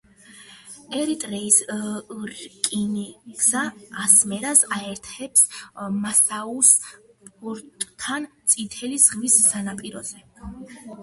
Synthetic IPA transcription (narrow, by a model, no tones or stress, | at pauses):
ɛɾit̪ʼɾɛis | ɾkʼiniɡ̥zaːsmɛɾasaɛɾt̪ʰɛpsmasauspʼuɾt̪ʼːʰant̪sʼit̪ʰɛlisʁmisːanapʼiɾɔzɛ